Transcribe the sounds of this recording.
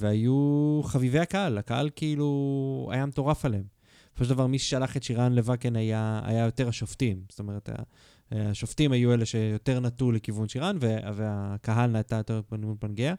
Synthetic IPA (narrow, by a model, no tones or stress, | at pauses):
veajuχavive̞jakaalakaha̰lkiilua̰jameto̞ʁafaleem | sofoʃeldavaʁmiʃʃealaχet̪ʃiʁanle̞vakenajaa̰jajo̞te̞ʁaʃoftimst̪o̞me̞ʁeta̰ | aʃoftimajuele̞ʃejo̞te̞ʁnatule̞kivunʃiʁanveveakaɦalnaːtajot̪epnupanɡea